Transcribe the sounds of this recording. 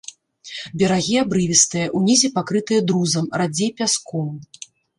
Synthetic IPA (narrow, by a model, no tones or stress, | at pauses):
bʲɛɾaɣʲiabɾɨvʲist̪ɨjɐʔunʲizʲipakɾɨt̪ɨjɐd̪ɾuzɐmrad͡zʲejpʲaskɔm